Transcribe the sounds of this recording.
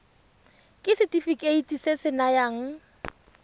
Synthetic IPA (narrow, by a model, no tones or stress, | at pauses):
kʼɪsɪtʼifikʼeitʼisesɪnajaːŋ̩